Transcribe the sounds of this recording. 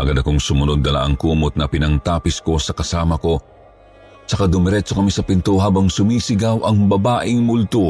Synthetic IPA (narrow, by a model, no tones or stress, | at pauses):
ʔɐɡad̪ɐkoŋsʊmʊnod̪̚ːɐla̰ʔɐŋkuːmot̪̚nɐpɪnɐŋt̪aːpɪsko̞sɐkɐsaːmɐko̞ | t͡ʃɐkad̪ʊmɛɾɛt͡ʃokɐmisɐpɪnt̪oɦaːbɐŋsʊmiːsɪɡawʔɐŋbɐbaːʔɪŋmʊlt̪o